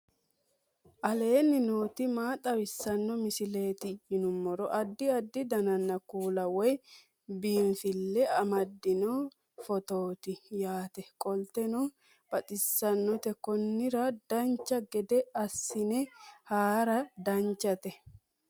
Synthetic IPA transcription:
ʔɐle̞ːnːɪnoːt̪ɪmaːt̪ʼɐwɪsːɐnːɔmɪsɪle̞ːt̪ɪjɪnʊmːɔɾɔʔɐd̪ːɪɐd̪ːɪd̪ɐnɐnːɐkuːlɐwɔj | biːɱfɪlːɛɐmɐd̪ːɪnɔ | fɔt̪oːt̪ɪjaːt̪ɛkʼɔlt̪ɛnɔ | b̥ɐt̪ʼɪsːɐnːɔt̪ɛkɔnːɪɾɐd̪̥ɐnt͡ʃːɐɡɛd̪ɛɐsːɪnɛhaːɾɐd̪ɐɲt͡ʃːɐt̪ɛ

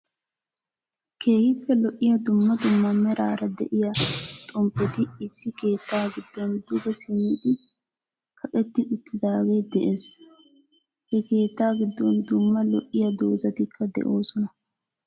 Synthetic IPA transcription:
kʰe̞ːhɪpːɛlɔʔːɪjɐd̪ʊmːɐd̪ʊmːɐmɛɾaːɾɐd̪ɛ̰ʔɪjat̪ʼɔmpːɛt̪ɪɪsːɪke̞ːt̪ːaːɡɪd̪ːɔnd̪ʊɡɛsɪnːɪʔ̪ɪ | kʰɐkʼɛt̪ːɪʔʊt̪ːɪd̪aːɡeːd̪ɛʔe̞ːs | hɛke̞ːt̪ːaːɡɪd̪ːɔnd̪ʊmːɐlɔʔːɪjɐd̪o̞̰ːzɐt̪ɪkʰːɐd̪ɛ̰ʔoːsɔnɐ

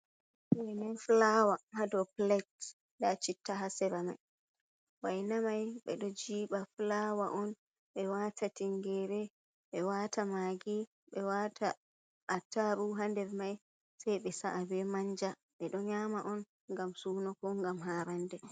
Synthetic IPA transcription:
ɛnɛnflawahadɔplɛt | dat͡ʃitːaɦasɛɾama̰j | wajnamajɓɛ̰ɗɔd͡ʒiːɓaflawaʔɔn | ɓɛwatʰatiŋɡɛɾɛ | ɓɛwatʰamaɡi | ɓɛwatʰa | ʔːtːaɾuɦandɛɾmaj | sajɓɛsaʔabɛmaɲd͡ʒa | ɓɛɗɔɲamaʔɔn | ŋɡamsuːnɔkɔŋɡamɦaːɾandɛ

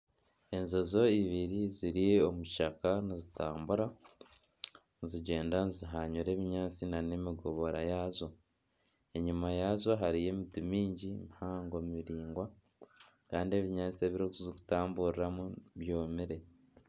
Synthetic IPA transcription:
e̞nzozo̞iβiɾiziɾiomuʃakanizitaːmbuɾa | nziɟe̞ːndaniziɦaɲuɾe̞ːβiɲaːt͡sinane̞miɡo̞βo̞ɾajazo̞ | e̞ɲumajazo̞ɦaɾije̞ːmitimiːɲɟimihaːŋɡomiɾiːŋɡwa | kaːndie̞ːβiɲaːt͡sie̞βiɾokuziku̥taːmbuɾiɾamuβjo̞ːmiɾe̞

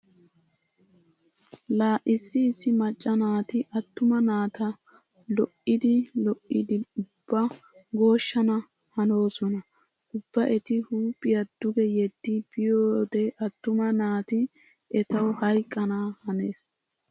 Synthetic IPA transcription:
laːʔɪsːɪːsːɪmɐt͡ʃʼːɐnaːt̪ɪʔɐt̪ːʊmɐnaːt̪ɐ | lɔʔɪd̪ɪlɔʔɪd̪ɪʊb̥ːɐɡo̞ːʃːɐnɐ | hɐno̞ːsɔnɐ | ʔʊbːɐʔɛt̪ɪhuːpʼːɪjɐd̪̥ʊɡɛjɛd̪ːɪb̥ɪjoːd̪ɛʔɐt̪ːʊmɐnaːt̪ɪ | ʔɛt̪ɐwhɐjkʼːɐnahɐne̞ːs

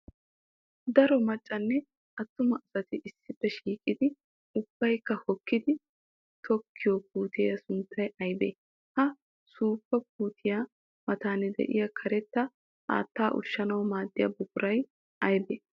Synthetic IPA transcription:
d̪ɐɾɔmɐt͡ʃʼːɐnːɛ | ɐt̪ːʊmɐʔsɐt̪ɪʔɪsːɪpːɛʃiːkʼɪd̪ɪ | ʊb̥ːɐjkːɐhɔkːɪd̪ɪ | t̪ʰɔkʰːɪjop̚uːt̪ɪːjɐsʊnt̪ʰːɐjɐjbḛː | hɐ | suːpːɐk̚uːt̪ʰɪja | mɐt̪aːnɛd̪ɛ̰ʔɪjakʰɐɾɛt̪ːɐ | ʔa̰ːt̪ːaːʔʊ̰ʃːɐnɐwmaːd̪ːɪja̰bʊkʊɾɐj | ɐjbeː

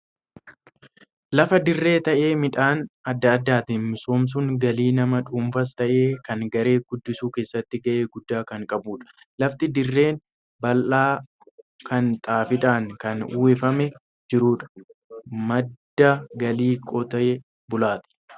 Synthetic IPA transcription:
lɐfɐd̪ɪrːe̞ːt̪ɐʔe̞ːmɪᶑaːnɐd̪ːɐːd̪ːaːt̪ɪsoːms̬ʊŋɡɐliːnɐmɐᶑuːmfɐs̬t̪ɐʔe̞ːkɐŋɡɐɾe̞ːɡ̥ʊd̪ːɪsuːke̞ːsːɐt̪ːɪɡɐʔe̞ːɡʊd̪ːaːkɐŋkʼɐbuːᶑɐ̥ | lɐft̪ɪd̪ɪrːe̞ːn | bɐlʔaː | kʰɐnt̪ʼaːfɪᶑaːŋkɐnṵːɛfɐmɛ | d͡ʒɪɾuːᶑɐ̥ | mɐd̪ːɐɡɐliːkʼɔt̪ɐʔɛ | bʊlaːt̪ɪ̥

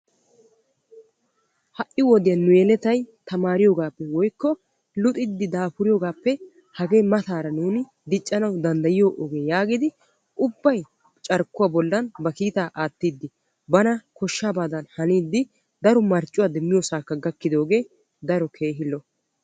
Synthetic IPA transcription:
hɐʔɪwɔd̪ɪjɐnːʊjɛlɛt̪ɐjt̪ɐmaːɾɪjoːɡaːpːɛwɔjkːɔ | lʊt̪ʼɪd̪ːɪd̪aːpʊɾɪjoːɡaːpːɛ | hɐɡe̞ːmɐt̪aːɾɐnuːnɪ | d̪ɪt͡ʃʼːɐnɐwd̪ɐnd̪ɐjɪjoːʔoːɡe̞ːjaːɡɪd̪ɪ | ʔʊbːɐj | t͡ʃʼɐɾkːʊwaːbɔlːɐnbɐkiːt̪aːʔaːt̪ːid̪ːɪ | bɐnɐkɔʃːaːbaːd̪ɐnhɐniːd̪ːɪ | d̪ɐɾɔmɐɾt͡ʃʼːʊwaːd̪ɛmːɪjoːsaːkːɐɡɐkːɪd̪o̞ːɡe̞ː | d̪ɐɾɔkʰe̞ːɦɪlːɔ

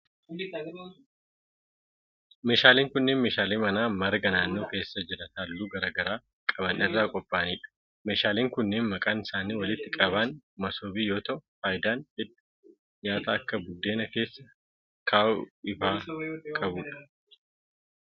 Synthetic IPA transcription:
me̞ːʃaːliːŋkʊnːeːnmeːʃaːleːmɐnaːmɐɾɡɐnaːnːo̞ːke̞ːsːɐd͡ʒɪɾɐnhalːuːɡɐɾɐɡɐɾaː | kʼɐbɐnʔɪrːaːkʼɔpʼːaːniːᶑɐ̥ | me̞ːʃaːliːŋkʊnːeːnmɐkʼaːnɪsaːniːwɐlɪt̪ːɪkʼɐβaːn | mɐso̞ːbiːjo̞ːt̪ɐʔʊfaːjɪd̪aːnhɪd̪ʊ̥ | ɲaːt̪ɐɐkːɐbʊd̪ːe̞ːnɐke̞ːsːɐ | kʰaːʊɪfaːkʼɐbuːᶑɐ̥

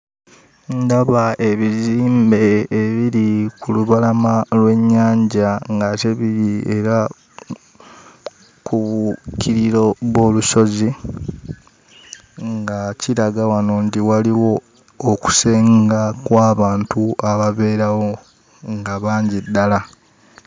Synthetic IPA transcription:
ndaβae̞βiziːmbe̞ːβiɾikuluβalamalwe̞ɲːaːɲɟaŋɡateβiɾie̞ɾa | kuβucʰiɾiɾo̞βwo̞luso̞zi | ŋɡaciɾaɡawano̞ntiwaliwo̞ː | ku̥seːŋɡakwaːβaːntuaβaβe̞ːɾawo̞ | ŋɡaβaːɲɟidːala

